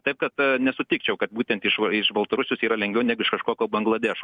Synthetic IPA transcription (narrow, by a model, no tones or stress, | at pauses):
t̪ɐɪp̚kɐt̪nʲɛsʊt̪ʲɪk̚t͡ʃʲɛʊkɐt̪̚buːt̪ʲɛnt̪ɪʃɪʃbɐlˠt̪ɐɾʊsʲʊsiːɾɐlʲɛŋʲɡʋʲɛʊnʲæɡʊɪʃkɐʃkoːkʲoːbɐŋɡlˠɐd̪ʲɛʃo